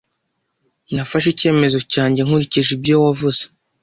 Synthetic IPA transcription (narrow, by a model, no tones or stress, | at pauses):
nafaʃ̬ice̞ːme̞zo̞caːɲɟe̞ŋ̥uɾiciʒibɟowavuz̥ḁ